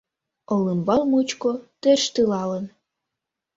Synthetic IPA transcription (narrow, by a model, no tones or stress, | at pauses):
olɨmbɑlmut͡ɕkot̪erʃt̪ɨlɑlən